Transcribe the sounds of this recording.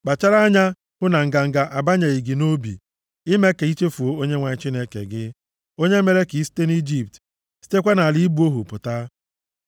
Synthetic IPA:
k͡pa˨t͡ʃa˦ɾa˦ɲa˦ | hʊ˦na˨ŋ̩˨ɡa˨ŋ̩˨ɡa˨ʔa˨ba˦ɲa˨i˨ɡi˨no˦bḭ˨ | ɪ˦me˦ke˨i˦t͡ʃe˦fu˨o˦o˦ɲe˦ŋʷa˨ɲɪ˦t͡ʃi˦ne˦kḛ˨ɡɪ˦ | o˦ɲe˦me˨ɾe˦ki˨i˦si̥˦te˦ni˦d͡ʒi˦p̚t | si̥˦te˦kʷa˦na˨li˦i˦bu˦o˦ɦu˨pʊ˨ta˦

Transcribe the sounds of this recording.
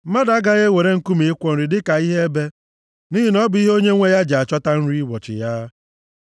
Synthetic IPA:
ma˦da˨˦ɡa˦ɣe˦we˨ɾe˦ŋ̩˦ku˦mi˨ɪ˦kʷɔ˦n̩˨ɾi˨dɪ˦ka˨i˦ɦe˦e˦be˦ | ni˦ɦi˦nɔ˦bʊ˨i˦ɦo˦ɲe˦ŋʷe˦ja˦d͡ʒa˨t͡ʃɔ˦ta˦n̩˦ɾi˦wɔ˨t͡ʃɪ̰˨ja˦

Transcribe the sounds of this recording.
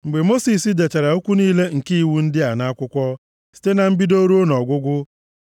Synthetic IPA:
ŋ͡m̩˨ɡ͡be˨mo˦si˨sɪ˦de˨t͡ʃa˨ɾa˨o˦kʷu˦niː˦le˦ŋ̩˨ki˦i˦˨wu˦n̩˦dɪ˦a˨na˦kʷʊ˦kʷɔ˦ | si̥˨te˦na˨m̩˦bi˦do˦ɾu˦o˦nɔ˨ɡʷʊ˦ɡʷʊ˦

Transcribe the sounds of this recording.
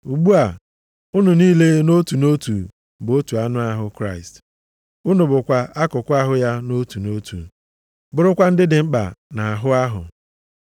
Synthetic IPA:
u˨ɡ͡bu˦a˨ | ʊ˦nu˨niː˦le˦no˦tu˨no˦tu˨ | bʊ˨o˦tu˨a˦nʊ˦a˦ɦʊ˦kɾa˦ɪ˨st | ʊ˦nʊ˨bʊ˨kʷa˨a˦kʊ˨kʷʊ˦a˦ɦʊ˦ja˦no˦tu˨no˦tʰṵ˨ | bʊ˦˨ɾʊ˦kʷa˦n̩˦dɪ˦dɪ˨ŋ͡m̩˦k͡pa̰˨na˨a˨ɦʊ˦a˦ɦʊ̰˨

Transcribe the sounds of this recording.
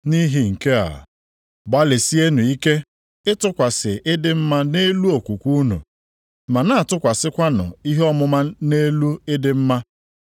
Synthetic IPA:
ni˦ɦi˨ŋ̩˨ke˦a̰˨ | ba˦le˨si˦e˦nu˨i˦ke˦ | ɪ˦tʊ˦kʷa˨sɪ˨ʔɪ˦dɪ˦m̩˦ma˦ne˦lu˦o˨kʷu˨kʷu˦nṵ˨ | ma˨na˦a˨tʊ˦kʷa˨sɪ˦kʷa˦nɔ̰˨i˦ɦe˦ɔ˦mʊ˦ma˦ne˦lu˦ɪ˦dɪ˦m̩˦ma˦

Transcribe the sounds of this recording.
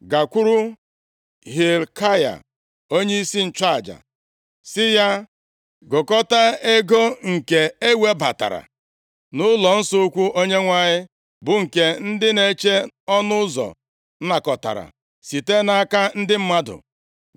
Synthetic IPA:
ɡa˨kʷu˦ɾu˦ | ɦi˨lkʰa˦ja̰˨ | o˦ɲe˦i˦si˦n̩˨t͡ʃa˦a˨d͡ʒa̰˨ | sɪ˦ja˦ | ɡʊ˨kɔ˦ta˦e˦ɡo˦ŋ̩˨ke˨e˦we˦ba˨ta̰˨ɾa̰˨ | nʊ˦lɔ˨n̩˦sʊ˦kʷu˦ʔo˦ɲe˦ŋʷa˦ɲɪ˦ | bʊ˨ŋ̩˨ke˦n̩˦dɪ˦ne˨t͡ʃe˦ɔ˦nʊ˦ʊ˦zɔ̰˨˦ | na˨kɔ˨ta̰˨ɾa̰˨ | si˨te˦na˦ka˦n̩˦dɪ˦m̩˦ma˦dʊ̰˨

